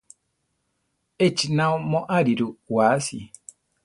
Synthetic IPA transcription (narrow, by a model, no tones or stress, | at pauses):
et͡ʃinãumɔ̃ʔaɾiɾuwaːsḭ